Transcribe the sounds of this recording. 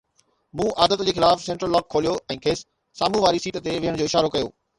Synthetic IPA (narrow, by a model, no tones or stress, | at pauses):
mũːʔaːd̪ət̪d͡ʑeːxɪlaːfsɛ̃ːɳʈɾəlːɔːkʰːoːlijoɛ̃ːkʰeːs | saːmũʋaːɾisiːʈ̪ə̆t̪eʋɪɦəɽ̃d͡ʑoːɪʃaːɾokɐjo̰ː